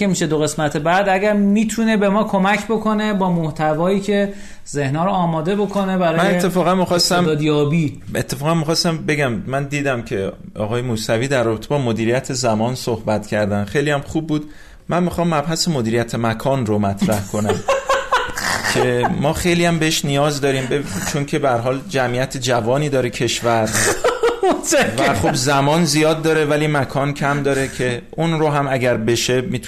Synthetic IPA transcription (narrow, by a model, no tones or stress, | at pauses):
emiʃed̪oɣe̞smæt̪ʰe̞bæd̪æɟæɾmiːt̪ʰune̞be̞mɒːkʰo̞mæcʰbo̞kʰo̞ne̞bɒːmoht̪ʰævɒːiːcʰe̞ | ze̞hnɒːɾoːmɒːd̪e̞bo̞kʰo̞ne̞bæɾɒːmænet̪ːe̞fɒːɣænmixɒːst̪æmːd̪jɒːbiːet̪ʰːe̞fɒːɣænmixɒːst̪æmbe̞ɟæmːænd̪iːd̪æmcʰe̞ | ɒ̰ːɣɒːje̞muːsæviːd̪æɾːɒːbe̞t̪ʰebɒːmod̪iːɾijæt̪ʰezæmɒːnsohbæt̪ʰcʰæɾd̪ænxejlijæmχub̚ːuːd̪ | mænmixɒːmːæbhæsemod̪iːɾijæt̪ʰemækʰɒːnromæt̪ʰɾæhkʰo̞næm | cʰemɒːxe̞jlijæmbe̞eʃnijɒːzd̪ɒːɾiːmbet͡ʃʰoncʰe̞behæɾɦɒːld͡ʒæmijæt̪ʰed͡ʒævɒːniːd̪ɒːɾecʰe̞ʃvæɾ | væχobzæmɒːnzijɒːd̪̚ːɒːɾe̞væliːmækʰɒːncʰæmd̪ɒːɾecʰe̞ʔunɾoɦæmæɟæɾbe̞ʃe̞miːt̪ʰ